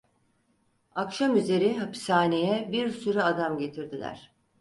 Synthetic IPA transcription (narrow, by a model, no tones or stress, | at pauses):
akʃamyze̞ɾiɦapsaːne̞jɛbiɾsyɾyad̪amɟe̞t̪ʰiɾd̪ilʲæ̰ɾ̥